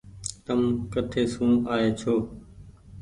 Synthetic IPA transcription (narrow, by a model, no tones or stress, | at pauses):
t̪əmkət̪ʰeːsũːaːeːt͡ʃʰoː